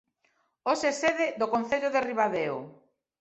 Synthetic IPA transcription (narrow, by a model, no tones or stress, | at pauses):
oseseðeðokon̟θeʎoðeriβaðeo